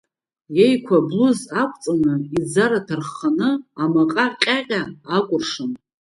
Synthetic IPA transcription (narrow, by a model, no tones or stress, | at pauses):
jejkʷʰabluzakʷʼt͡sʼanɨid͡zaɾatʰarχanɨamaqʼaqʲʼaqʲʼaakʷʼʊrʂɨn